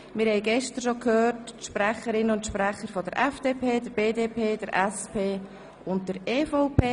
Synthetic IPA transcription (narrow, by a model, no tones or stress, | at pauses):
mɪɾhɛɪɡɛʃtəɾʃokʰhøːrtʃprɛχəɾɪnəʊntʃprɛχəɾfɔdəɾʔɛfd̥eːpʰeːdəɾb̥eːdeːpʰeːd̥əɾʔɛspeː | ʊnt̚d̥əɾeːfɔʊpʰeː